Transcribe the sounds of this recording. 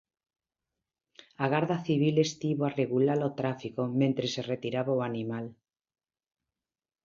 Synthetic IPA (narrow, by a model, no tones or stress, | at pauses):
aɣaɾðaθiβ̞ilest̪iβoareɣulalot̪ɾafikomẽnt̪ɾeseret̪iɾaβaoanimal